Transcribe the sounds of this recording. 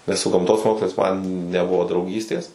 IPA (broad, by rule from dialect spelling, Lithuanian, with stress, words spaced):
nʲɛs sʊ ɡɐmˈtoːs ˈmoːkslˠɐɪs mɐn nʲɛˈbʊʋoː drɐʊˈɡʲiːsʲtʲeːs